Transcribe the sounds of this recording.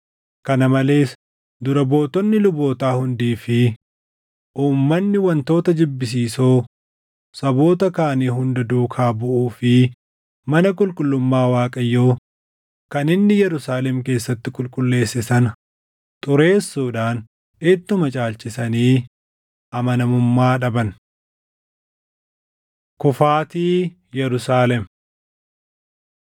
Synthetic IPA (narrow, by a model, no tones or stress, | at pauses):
kɐnɐmɐle̞ːs | d̪ʊɾɐbo̞ːt̪ɔnːɪlʊbo̞ːt̪aːhʊnd̪iːfɪ | ʔuːmːɐnːɪwɐnt̪o̞ːt̪ɐd͡ʒɪbːɪs̬iːsoː | sɐbo̞ːt̪ɐkaːniːɦʊnd̪ɐd̪uːkʰaːbʊʔuːfɪ | mɐnɐkʼʊlkʼʊlːʊmːaːwaːkʼɐjːoː | kɐnɪnːɪjɛɾʊsaːlɛmke̞ːsːɐt̪ːɪkʼʊlkʼʊlːe̞ːsːɪsɐn | t̪ʼʊɾe̞ːsːuːᶑaːn | ɪt̪ːʊmɐt͡ʃʼaːlt͡ʃɪsɐniː | ʔɐmɐnɐmʊmːaːᶑɐbɐn | kʊfaːt̪iː | jɛɾʊsaːlɛm